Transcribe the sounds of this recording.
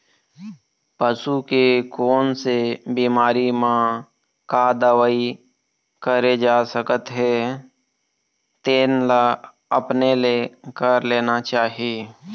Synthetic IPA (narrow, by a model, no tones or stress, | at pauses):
pəsukekoːnsebiːmaːɾimã | kad̪əwəi | kəɾed͡ʒaːsəkət̪ɦe | t̪eːnla | əpneleːkəɾleːnat͡ʃaːɦieː